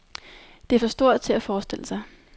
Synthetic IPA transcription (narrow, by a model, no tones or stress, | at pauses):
d̥e̝æɐfɒ̽sd̥o̝ɐ̰ð̥ˠt͡sʰe̝læfɒːsd̥e̝l̰əsɑ̈ɪ